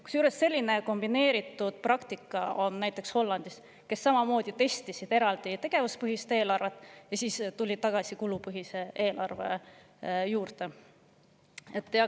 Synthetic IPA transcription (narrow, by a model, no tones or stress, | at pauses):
ku̥sjuːɾest̪ːe̞lʲːine̞ko̞mb̥ine̞ːɾit̪ːˑud̪̥̚prɑkt̪ikːˑɑo̞nːæjt̪ːˑe̞ksho̞lːɑnd̪̥is | ke̞sːɑmɑmo̞ːd̪̥ʲit̪e̞st̪isid̪̥e̞ɾɑld̪̥it̪e̞ɡ̥e̞vuspɤɦist̪e̞ːlɑrvet̪ːˑjɑsiːst̪ulʲid̪̚ɑɡ̥ɑsikulupɯɦise̞e̞ːlʔɑ̰rve̞̰ | juːrt̪e̞ | et̪ːˑjɑ